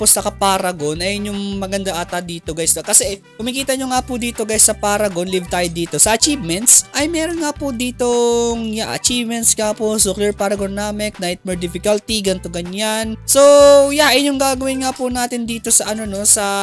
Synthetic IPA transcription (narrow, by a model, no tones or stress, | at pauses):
posɐkɐpaːɾɐɡonʔɐjɲʊŋmɐɡɐnd̪ɐʔaːt̪ɐd̪iːt̪oɡajsokɐsɛ | hʊmikiːt̪ɐɲoŋapʊd̪iːt̪o̞ɡajsːɐpaːɾɐɡonlivt̪aːjd̪iːt̪o̞sɐʔɐt͡ʃiːvmɛnt̪sʔɐjmɛːɾo̞nŋapʊd̪iːt̪o̞ŋjaʔɐ̰t͡ʃiːvmɛnt̪skaposʊklɛɹpaɾɐɡonaːmɪk̚najt̪̚mɛɹd̪ɪfɪkɐlt̪iɡɐnt̪oɡɐɲanso̞jaʔɪɲʊŋɡaːɡɐwɪnŋapunaːt̪ɪnd̪iːt̪o̞sɐʔɐno̞no̞sɐ